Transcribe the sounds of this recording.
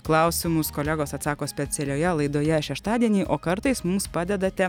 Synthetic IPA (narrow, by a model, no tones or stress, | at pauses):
klˠɑˑʊsʲɪmʊskoːlʲɛɡoːsɐt̪sɑːkoːsʲpʲɛsʲɛlʲoːjɛlˠɐɪd̪oːjɛʃʲɛʃt̪ɑːd̪ʲiɛnʲiːʔoːkɐɾt̪ɐɪsmʊmspɑːd̪ʲɛd̪ɐt̪ʲɛ